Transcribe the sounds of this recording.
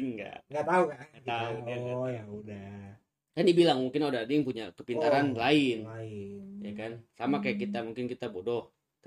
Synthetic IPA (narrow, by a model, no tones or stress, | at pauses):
ŋɡa̰ŋɡat̪aukaat̪auaauda | k̪anibilaŋmuŋkɪnodaadajaŋpuɲakəpint̪aɾanlaɪn | jakansamakajakit̪amuŋkɪnkit̪abodɔh | t̪